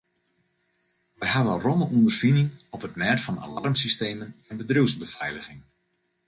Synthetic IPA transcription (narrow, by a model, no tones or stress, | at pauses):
ʋɛjɦaʋərɔməʔuəndərfinɪŋɔpətmɛːtfɑna̰la̰rmsisteːmənɛnbədruwzbəfɛjləxɪŋ